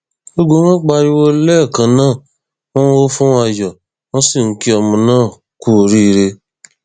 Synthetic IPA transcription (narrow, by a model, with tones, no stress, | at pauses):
o˦ɡ͡bo˧˦w̃ã˦k͡pa˧ɾi˧wo˦lɛ˦˨kã˨˦nãː˦˨ | wɔ̃˦wo˦fũ˦a˧jɔ˨ | w̃ɔ̃˦si˦˨ŋ̩˦ki˦ɔ˧mũ˧nãː˦˨ | ku˦˨ɾi˦˧ɾe˧